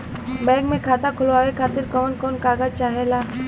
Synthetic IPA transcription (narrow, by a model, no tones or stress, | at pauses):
bɛ̃ːɡmẽkʰaːt̪akʰʊlʋaːʋekʰaːt̪ɪɾkɔːnkɔːnkaːɡat͡ʃaːɦelaː